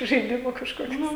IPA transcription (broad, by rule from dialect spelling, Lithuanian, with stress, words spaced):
ʒɐɪˈdʲɪmuː kɐʃkoːˈkʲʊs